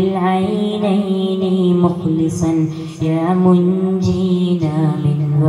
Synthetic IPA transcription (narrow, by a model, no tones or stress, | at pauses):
ɪlʕajnajnɪmʊxlɪsɑn | jaːmʊnd͡ʒinamɪnwa